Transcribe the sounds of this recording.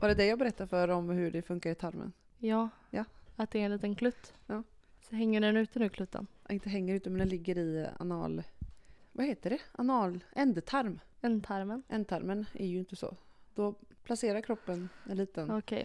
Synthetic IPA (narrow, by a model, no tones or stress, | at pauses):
vaɾɛd̪ɛjɑːɡbɛɾɛt̪ːaɾfœɾɔmɦɵɖɛfɵŋkaɾɪt̪ʰaɾmə̰n | jɑː | jɑat̪̚d̪ɛɾɛnliːt̪ənkʰlʉt̪ːjɑːsɔɦɛŋːəɖɛnʉ̟ːt̪ənʉkʰlʉt̪ʰːə̰nʔɪnt̪əɦɛŋːəɾʉt̪əmɛnd̪ɛnlɪɡːəɾɪa̰nɑ̰ːl | vaheːt̪əɖɛʔa̰nɑːlɛnd̪t̪ʰaɾmɛnd̪t̪ʰaɾmənʔɛ̰nd̪̚t̪ʰaɾmənʔæ̰ɾjɪnt̪əsɔ̰d̪̥ɔpʰlaseːɾaɾkʰɾɔpːənɛnliːt̪ənɔkʰɛ̰j